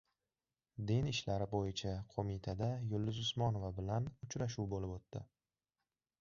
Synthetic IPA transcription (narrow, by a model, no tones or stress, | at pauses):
d̪enɪʃlaɾɪbojɪt͡ʃʰaqʰomɪt̪ʰad̪ajʊlːʊzʊsmɒno̞vabɪlanʊt͡ʃʰɾaʃ̬uwbolɪpot̪ːɪ̰